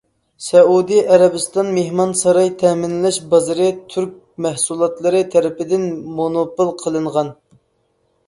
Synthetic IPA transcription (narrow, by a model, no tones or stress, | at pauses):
sɛud̪ijɛɾɛbɨst̪ɑnmehmɑnsɑɾɑjt̪ʰɛmɪnlɛʃbɑzɨɾɨt̪ʰyɾk̚ʲ | mæhsulˠɑt̪lˠɨɾɨt̪ʰɛɾɪpɪd̪ɪnmonopɨlˠqʰəlˠɨɴʁɑn